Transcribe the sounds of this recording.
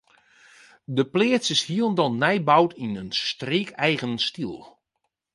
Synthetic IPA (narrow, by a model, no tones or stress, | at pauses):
dəpleəsəshiəlˠndɔnnɛjbawtʰinənstreːkɛjɣənstilˠ